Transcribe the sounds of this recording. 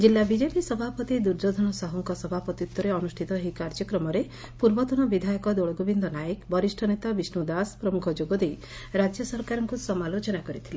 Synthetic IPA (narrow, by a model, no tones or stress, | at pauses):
d͡ʒilːabid͡ʒepisɔbʱapɔt̪id̪uɾd͡ʒod̪ʱɔnɔsaɦɔŋkɔsɔbʱapɔt̪iut̪ːɔɾeɔnusʈʰit̪ɔɦikaɾd͡ʒɔkɾɔmɔɾe | puɾbɔt̪ɔnɔbid̪ʱajɔkɔd̪oɭɔɡobind̪ɔnajekbɔɾisʈʰɔnet̪abisnud̪aspɾɔmukʰɔd͡ʒoɡɔd̪ej | ɾad͡ʒjɔsɔɾkaɾɔŋkusɔmalot͡ʃɔnakɔɾit̪ʰile